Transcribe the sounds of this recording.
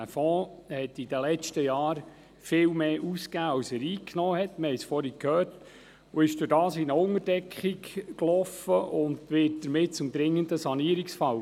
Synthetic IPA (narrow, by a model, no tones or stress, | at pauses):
æfɔːhɛt̪id̥əlɛt͡ʃtəjɑːɾ | fɪːwmeːʔuskæːɑwsəɾiːknɔːhɛtːməhɛɪsfɔɾikʰhøːrt | ʊɪʃd̥ʊɾdɑːsinəʊŋəɾd̥ɛkχikklɔfəʔʊnd̪ʋɪt̚d̪̥əɾmɪt̚t͡sʊmd̪ɾɪŋːənd̪əsɑniəɾiksfɑw